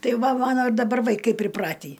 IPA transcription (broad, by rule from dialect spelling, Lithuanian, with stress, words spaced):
ˈtɐɪ ˈʋɐ ˈmɑːnoː ɪ dɐˈbɐr ʋɐɪˈkɐɪ pʲrʲɪˈprɑːtʲiː